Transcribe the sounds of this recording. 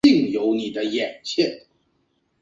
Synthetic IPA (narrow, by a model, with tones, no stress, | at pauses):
i˥˩ŋjo˧˥ʊni˨˩d̪ə˦jɛ˨˩nt͡ɕʰjɛ˥˨n